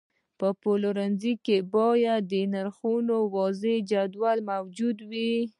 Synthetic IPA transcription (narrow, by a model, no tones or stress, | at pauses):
pəpoloɾanzikebɑjad̪̚ːənaɾxunowɑzed͡ʒad̪walmawd͡ʒud̪wi